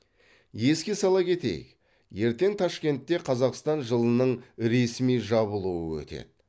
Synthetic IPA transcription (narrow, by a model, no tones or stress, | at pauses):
je̞skʲe̞sɑlˠɑkʲʰe̞t̪e̞̰jɪ̰k | je̞ɾt̪e̞ŋt̪ʰɑʃkʲe̞nt̪ːe̞qʰɑzɑqst̪ɑnʒəlˠənəɴɾe̞smijʒɑβəlˠuə̰wɵ̰t̪e̞̰d̪̥